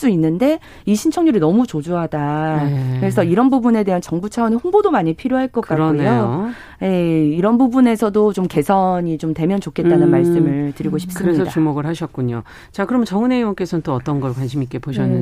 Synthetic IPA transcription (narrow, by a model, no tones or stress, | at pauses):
s͈uinːɯnde̞ | iɕʰint͡ɕʰʌŋɲuɾinʌmut͡ɕod͡ʑuɦadakɯɾe̞sʰʌiɾʌnbubune̞de̞ɦant͡ɕʌŋbut͡ɕʰaʌnehoŋbodomaɲipʰiɾjoɦaɭk͈ʌk͈aɾʌneoo | je̞iɾʌnbubune̞sʰʌdot͡ɕomke̞sʰʌɲit͡ɕomte̞mjʌnt͡ɕokʰe̞t̚t͈anɯnmaɭs͈ɯmɯɭtɯɾiɡoɕʰi̥p̚s͈ɯɾesʌdaumoɡɯɭhaɕʰʌk͈uɲo̰ | t͡ɕakɯɾʌmt͡ɕʌŋɯne̞iwʌnk͈esʰʌnnt͈oʌt͈ʌnɡʌɭkwanɕʰimik͈epoɕʰʌnːɯ